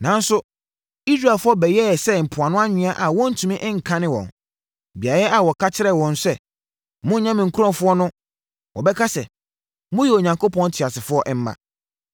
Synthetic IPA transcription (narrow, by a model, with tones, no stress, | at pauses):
nã˨n̩˦sʊ˦ | i˦sɾa˨lfʊ˦ɔ˦bɛ˨jɛ˦˨sɛ˦m̩˨pʰʊ˨a˨nʊ̃˦a˦ɲɪ̃˨a˦ʔa˨wɔ̃˦n̩˦˨tʰũ˨mɪ̃˦ʔɪ̃˦ŋ̩˨kʰã˦nɪ̃˦wɔ̰̃˨n | bi˨a˨ɾɛ˦ʔa˨wɔ˨kʰa˦t͡ɕʰɪ˦ɾɛ˦˨wɔ̃˨nsɛ˦ | mʊ̃˦ɲã˦mɪ̃˨ŋ̩˨kʰu˦ɾɔ̃˦˨fʊ˦ɔ˦nʊ̃˦ | wɔ˨bɛ˦kʰa˦sɛ˨ | mʊ̃˦jɛ˨o˨ɲã˨ŋkʰo˦pʰɔ̃˦n̩˦tʰɪ˨a˨sɪ˨fʊ˦ɔ˦ʔɛ˦m̩˦mã̰˨